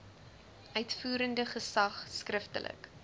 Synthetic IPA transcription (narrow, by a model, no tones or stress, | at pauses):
ʔœɥtfuːɾəndəχəsɐχskrəftə̰lʔə̰k